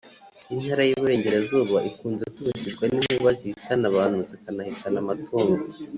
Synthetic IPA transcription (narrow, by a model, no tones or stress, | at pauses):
in̥haɾajiβuɾe̞ːɲɟe̞ɾazuːβaʔikuːnzekuɾuʃiɾɡwanimiβaziitanaβaːn̥huzekanahikanamatʰuːŋɡo